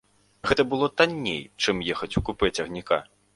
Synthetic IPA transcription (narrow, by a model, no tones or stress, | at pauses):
ɣɛt̪ɐbɨlˠɔt̪anʲːḛjt͡ʂɨmjɛxɐt͡sʲukupɨt͡sʲɐɣnʲika̰